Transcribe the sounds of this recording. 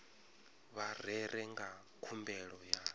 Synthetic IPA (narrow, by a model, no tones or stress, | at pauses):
βarɛɾɛŋɡa | kʰumbɛɺɔja